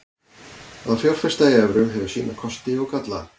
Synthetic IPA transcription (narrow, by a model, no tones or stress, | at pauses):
aðawfjowɾ̥fɛst̪ajɛvɾʏɦɛvʏsḭːnakʰɔst̪ɪɔɣkat̪la̰